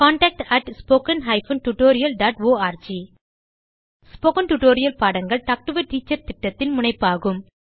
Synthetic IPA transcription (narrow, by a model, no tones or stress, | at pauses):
kaːɳʈɐk̚ʈɐʈspoːkɐnɦɐɪfɐnʈuʈoːɾɪjɐlɖaːʈoːaːɾd͡ʒiː | spoːkɐnʈuʈoːɾɪjɐlpaːɽɐŋɡɐɭʈɐk̚ʈɯʋɐɾʈiːt͡ʃːɐɾt̪ɪʈːɐt̪ːɪnmʊɳɐɪpːaːɣɯm